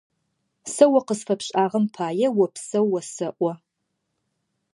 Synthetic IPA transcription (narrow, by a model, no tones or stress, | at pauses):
sɐwɐqəzfɐpʰɕʼaːʁɐmpʰaːjɛwɐpʰsɐwɐsɐʔʷɐ